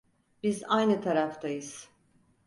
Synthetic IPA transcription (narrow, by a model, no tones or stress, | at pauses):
b̥izajnɯt̪ʰaɾaft̪ʰajɯz̥